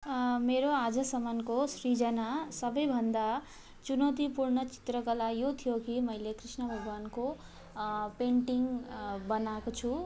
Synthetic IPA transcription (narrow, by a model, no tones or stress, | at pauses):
meɾoad͡zʌsʌmankosrid͡zʌnasʌbʌjbʱʌnd̪a | t͡sunʌt̪ipurɳʌt͡si̥t̪rʌkʌlajot̪ʰijokimʌjlekrisnʌbʱʌɡʱwanko | peɳʈiŋbʌnakot͡sʰu